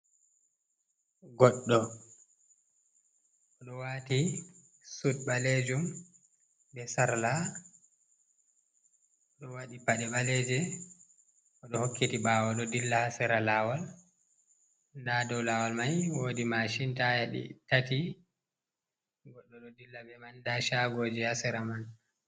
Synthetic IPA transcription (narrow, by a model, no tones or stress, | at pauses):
ɡɔɗːɔ | ʔɔɗɔwati | sud̚ɓaled͡ʒum | bɛsaɾla | ɗɔwaɗipaɗɛɓalɛd͡ʒɛ | ʔɔɗɔhokːitiɓawɔɗɔdilːahasɛɾalawal | dadɔwlawalmajwoːdimaʃintajaɗḭtati | ɡɔɗːɔɗɔdilːabɛmandaʃaɡod͡ʒɛhasɛɾaman